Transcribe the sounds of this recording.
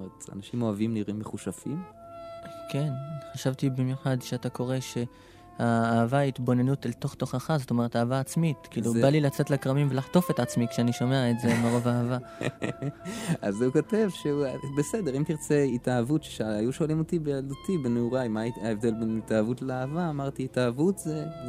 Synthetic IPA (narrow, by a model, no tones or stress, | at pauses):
omeʁet̪a̰naʃimo̞avimniʁimːeχuʃafim | ke̞nχaʃavt̪ibimjuχad̪ʃeatako̞ʁe̞ʃe̞ | haːvait̪bo̞ne̞nutalto̞χt̪o̞χaχazo̞to̞me̞etaːvaːt͡smit̪kiːlubalilat͡se̞tlakʁamimve̞laχt̪o̞fe̞tat͡smikʃeaniʃome̞aetze̞meʁo̞vaava | azuko̞te̞vʃeubesedeʁimt̪iʁt͡seitaavutʃeʃaajuʃoalimotibejald̪ut̪ibenuʁaimaaevd̪e̞lbenitaavutleaːvaːmaʁt̪iːtavutze